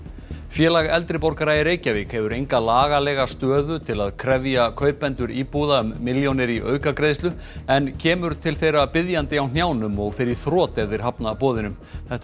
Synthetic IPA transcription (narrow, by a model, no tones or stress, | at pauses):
fjɛːlaɣɛlt̪ɾɪpɔɾkaɾajɪɾeːjcavɪkhɛvʏɾejŋkalaːɣalɛɣast̪œːðʏt̪ʰɪlaðkʰɾɛvjakʰœːɥpɛnt̪ʏɾiːpuðaʏmːɪljownɪɾiʔœ̰ːɥkakɾeːjst̪ʏ | ɛncʰɛːmʏɾ̥t̪ʰɪlθejɾapɪðjant̪ɪawn̥jaːwnʏmɔɣfɪɾɪɾ̥θɾɔːt̪ɛðɪɾ̥ɦapnapɔːðɪnʏm | θɛht̪